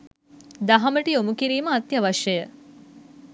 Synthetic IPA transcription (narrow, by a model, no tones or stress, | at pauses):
d̪aɦaməʈiomukiɾiːməat̪jaʋaʃjəjə